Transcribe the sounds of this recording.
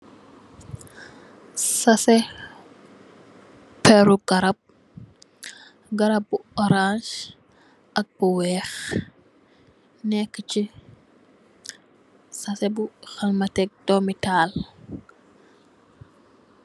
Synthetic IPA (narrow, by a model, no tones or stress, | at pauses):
sɐsɛ | pɛɾuɡɐɾɐp̚ | ɡɐɾɐp̚ːuɔɾãʃ | ʔɐk̚buwɛːx | nɛkːət͡ʃi | sɐsɛbuxɐlmɐtɛk̚dɔmitaːl